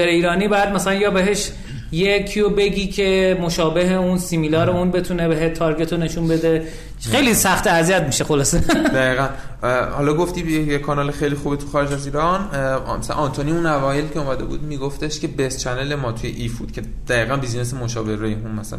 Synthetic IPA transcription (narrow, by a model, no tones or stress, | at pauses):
eɾeiːɾɒːniːbɒːjæd̪̚mæsælænjɒːbe̞ɦe̞ʃ | jecʰiobeɡiːcʰe̞mo̞ʃɒːbe̞ɦeunsimilɒːɾeunbe̞t̪ʰunebeɦet̪ʰɒɾɡʲe̞t̪ʰone̞ʃunbe̞d̪e | xejlisæxt̪eæzijæt̪miʃexo̞lɒːsed̪æiːɣænhɒlɒːɡoft̪iːjejekʰɒːnɒːlexejlixuːbet̪ʰu̥xɒːɾed͡ʒæziːɾɒnmæ̰snʔɒnt̪ʰoniũnævɒːjelicʰeomæd̪ebṵːd̪miːɡoft̪eʃcʰe̞best͡ʃʰænelemɒːt̪ʰujḛʔifbṵːd̪̥̚cʰe̞d̪̥æiːɣænbiznesemoʃɒːbehɾoeunmæsææ